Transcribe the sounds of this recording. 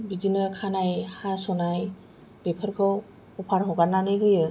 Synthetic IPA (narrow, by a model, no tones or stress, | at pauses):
bizinɯkʰanajhasɔnaj | b̥epʰəɾkʰɯw | hɔpʰaɾɦɔɡaɾnanɯjɡɯjɯ